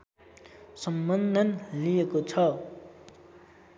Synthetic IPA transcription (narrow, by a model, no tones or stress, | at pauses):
sʌmbʌnd̪ʱʌnlijekot͡sʰʌ